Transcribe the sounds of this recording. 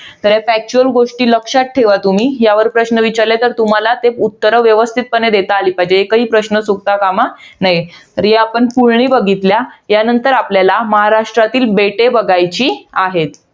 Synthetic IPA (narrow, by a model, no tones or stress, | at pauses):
t̪əɾefæk̚t͡ɕuəlɡoʂʈiːləkʂat̪̚ʈʰːeʋat̪um̤iːjaʋəɾpɾəɕnəʋit͡ɕaɾlet̪əɾt̪um̤alat̪eut̪ːəɾəʋjəʋəst̪ʰit̪̚pəɳed̪et̪aːliːpad͡ʑeːkəɦiːpɾəɕnəsuɡt̪akamanaɦi | əɾeapəɳpuɭɳiːbəɡʱit̪ljaɦjanənt̪əɾapljalaməɦaɾaʂʈɾat̪iːlbeʈebəɡʱajt͡ɕiːaɦet̪